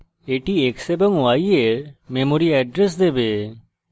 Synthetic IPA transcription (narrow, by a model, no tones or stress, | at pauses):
eːʈieːksebəŋuaːieɾmemoɾiɛːɖɾes̬d̪ebe